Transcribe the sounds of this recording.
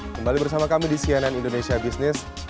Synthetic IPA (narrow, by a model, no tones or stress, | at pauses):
kəmbalibərsamakamidisiananindonesiabisnɪs